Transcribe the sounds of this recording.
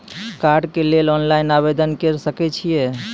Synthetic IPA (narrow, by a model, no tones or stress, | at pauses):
kaɾɖkelelɔnlainabed̪ənkeɾsəkɛt͡ʃʰije